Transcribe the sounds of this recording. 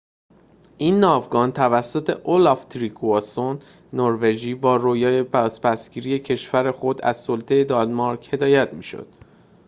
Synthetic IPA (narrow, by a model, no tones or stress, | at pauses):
ʔiːnːɒːvɡɒːnt̪ʰævæsːo̞t̪ʰe̞ʔolɒft̪ʰɾikʰuɒsonː | oɾve̞d͡ʒiːbɒːɾoːjɒːepæspʰæsɡ̥iːɾije̞cʰe̞ʃvæɾe̞xo̞d̪æ̰zsolt̪ʰe̞jed̪ɒlmɒɾkhe̞d̪ɒːjæt̪ʰmiːʃo̰d̪̥